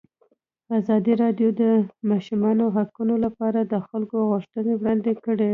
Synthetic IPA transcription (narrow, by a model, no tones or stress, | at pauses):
azɑd̪iɾɑɖjod̪əmɑʃumɑnoɦakunolapɑɾad̪əxalkoɣʊʃt̪ənewɽɑnd̪ekəɽe